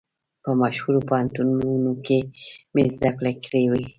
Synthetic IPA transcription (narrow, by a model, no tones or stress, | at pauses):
pəmaʃhuɾopahant̪ununokemezd̪aklakɾewi